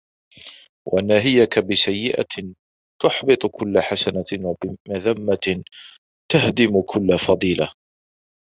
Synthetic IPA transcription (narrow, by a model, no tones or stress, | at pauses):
wʔa̰nːaːɦɪjakabɪsajːɪʔa̰ | t̪ʊħbɨt̪ˤkʰʊlːaħasanawabɪmaðamːa | t̪ahd̪ɪmkʰʊlːafɑðˤiːlʔa